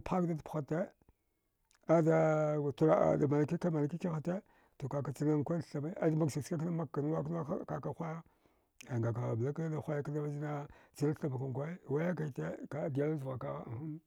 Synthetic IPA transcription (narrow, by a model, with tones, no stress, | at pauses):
pa˦kda˦dpxa˦te˦ | a˦da˦˨tu˨ɾa˨a̰˨da˨ma˨na˨ki˦ka˦ma˨na˨ki˦ki˦ɣa˨te˦ | to˨ka˨ka˨t͡si˦na˦ŋkʷa˦ɬɬa˨ma˦a̰˦dma˦ɡsi˨ska˦k̬na˦ma˦a˨n˦wa˦kn˦wa˦˨ka˨ka˦xʷa˦ja˦ | a˨ŋɡa˨ka˨ba˦ka˦da˨xʷa˦ja˦ka˦da˦ma˦d͡ʒi˦na˦t͡si˦na˦ɬa˨ma˨ka˨ŋ˨kʷa˦˨wa˦ja˦ka˨i˨te˦ka˨˦di˨ja˦lzu˨ɣa˨ka̰˨˦˨u˦n